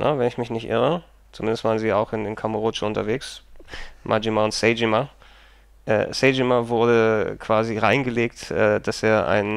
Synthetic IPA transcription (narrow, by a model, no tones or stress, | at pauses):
nʔə̰vɛnɪçmɪçnɪçtʔɪ̰ʁə | t͡sumɪndəstv̥aːʁənziːaʊxɪnɪnkʰamʊʁot͡ʃəʊntɐveːks | mʔa̰d͡ʒimaʊntsɛɪd͡ʒima | ʔɛ̰ːsɛɪd͡ʒimavʊɐdəkʰv̥aːziʁaɪnɡəleːktʔɛ̰ːd̥aseːɐʔa̰ɪn